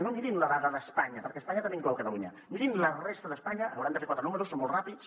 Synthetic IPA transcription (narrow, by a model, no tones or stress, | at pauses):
nõŋiɾimlaðaðəðəspaɲɐpəɾkɛəspaɲat̪aɐmẽŋkowkɐt̪aluɲa̰ | miɾimlərest̪əðəspaɲɐːnwuɾant̪fekwat̪ɾənuməɾusːomolˠrapis